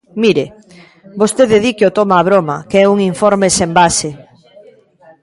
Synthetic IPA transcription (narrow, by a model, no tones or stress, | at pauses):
miɾe | bost̪eðeðikeot̪omaːβ̞ɾoma̰keɛuŋiɱfoɾmesembase